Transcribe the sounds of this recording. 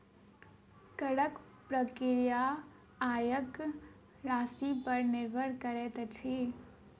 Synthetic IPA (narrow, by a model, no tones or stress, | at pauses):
kəɽək | pɾəkɪɾija | aːjək | ɾaːsipəɾnɪɾbʱəɽkəɾet̪t͡ʃʰi